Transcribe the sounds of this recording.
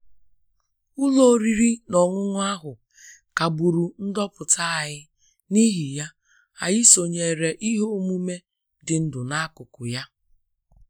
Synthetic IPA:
ʊ˦lo˦ɾi˨ɾi˦nɔ˨ŋʷʊ˦ŋʊ˦a˦ɦʊ˨ | ka˨bu˨ɾu˨n̩˦dɔ˦pʊ˨tʰa˦˨ɣɪ˦ | ni˦ɦi˨ja˦ | a˨jɪ˦so˨ɲe˨ɾe˨ʔi˦ɦo˦mu˦me˦ | dɪ˨n̩˦dʊ˨na˦kʊ˨kʊ˨ja˦

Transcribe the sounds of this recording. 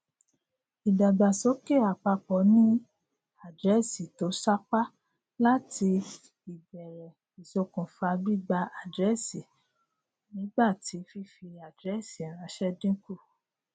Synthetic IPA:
i˨da˨ɡ͡ba˨so˦ke˦˨a˨k͡pa˧k͡pɔ˨˦nĩ˦ | a˦˨dɾɛ˦si˨to˨˦sa˦k͡pa˦ | la˦ti˧ | i˨bɛ˨ɾɛ˨ | i˨so˧kũ˨fa˧bi˦˨ɡ͡ba˧a˨dɾɛ˨˦si˨ | nĩ˨˦ɡ͡ba˦˨ti˨˦fi˦fi˧a˨dɾɛ˦˨si˨ã˨ɾ̃ã˨˦ʃɛ˦dĩ˦ku˦˨

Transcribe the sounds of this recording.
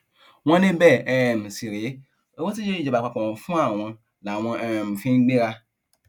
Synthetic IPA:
wɔ̃˦nɪ̃˦bɛ˦˨ɛ˨m˨si˨ɾɪ˨˦ | e˦wo˦ti˦d͡ʒe˦˨d͡ʒe˨ba˨k͡pa˨kɔ̃˨fũ˦a˨wɔ̃˦ | nã˨wɔ̃˦ʔɛ̃˨ɛ˨m˨fĩ˦ɡ͡bẽ˦ɾa˦

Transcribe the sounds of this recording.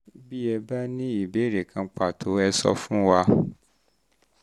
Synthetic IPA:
bi˦ɛ˧ba˦nĩ˦i˦˨be˨˦˨ɾe˨kʰã˧k͡pa˦˨tʰo˨˦ɛ˧sɔ̰˧fũ˦wa˧

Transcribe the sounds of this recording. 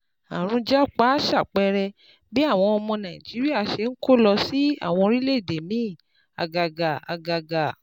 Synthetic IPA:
a˨ɾ̃ũ˧d͡ʒa˦˨k͡pa˦ʃa˦˨k͡pɛ˧ɾɛ˧ | be˦a˦˨w̃ɔ̃˧ɔ˧mɔ̃˧nã˨i˨d͡ʒi˨˦ɾi˦a˦˨ʃe˧˦nŋ̩˦ko˦lɔ˧si˦a̰˦˨w̃ɔ̃˧ɾi˦le˦˨de˨mĩ˨˦˨ | a̰˨ɡa˨ɡa˨a̰˨ɡa˨ɡa˨

